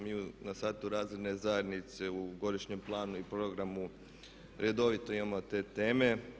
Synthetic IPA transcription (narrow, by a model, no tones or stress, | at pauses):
miːunasaːt̪uɾaːzɾed̪ne̞zaje̞d̪nit̪se̞uɡo̞d̪iʃɲe̞mplˠaːnuipɾo̞ɡɾamu | ɾed̪o̞ʋit̪o̞imamo̞t̪e̞ːt̪e̞ːme̞